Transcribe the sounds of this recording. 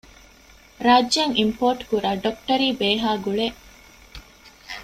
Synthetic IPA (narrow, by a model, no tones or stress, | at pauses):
ɾaːd͡ʒːɐŋimpoːɾʈkuɾaːɖok̚ʈɐɾiːbeːɦaːɡuɭeʔ